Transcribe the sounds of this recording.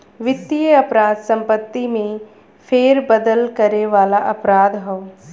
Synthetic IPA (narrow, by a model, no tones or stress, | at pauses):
ʋɪt̪ːijəɐpɾaːd̪sɐ̃mpət̪ːimẽ | fʰeːɾbəd̪əlkɐɾeʋaːlaʔɐpɾaːd̪ɦoo